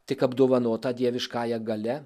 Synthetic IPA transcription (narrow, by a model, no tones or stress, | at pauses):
t̪ʲɪkɐbd̪oːʋɐnoːt̪ɑd̪ʲiɛʋʲɪʃkɑːjɛɡɐlʲɛ